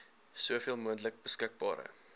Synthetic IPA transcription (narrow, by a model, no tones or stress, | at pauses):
suəfiəlˠmuəntlək̚bəskək̚bɑ̰ːɾə̰